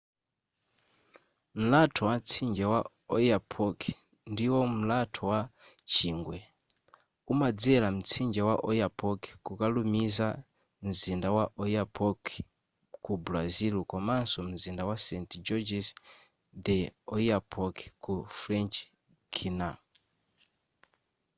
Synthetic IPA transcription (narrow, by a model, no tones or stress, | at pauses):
m̩latʰɔwat͡sʰind͡ʒawa | ɔjapʰɔkʰi | ndiwɔm̩latʰɔwa | t͡ʃiːŋɡwɛ | umad͡zɛɾam̩t͡sʰind͡ʒawaʔɔjapʰɔkʰi̥kukalumiza | m̩zindawaʔɔjapʰɔkʰ | kubɾazilkɔmansɔm̩zindawasɛntd͡ʒɔd͡ʒɛs | d̪ɛɔjapʰɔkʰɛ̥kufɾɛnt͡ʃ | kʰina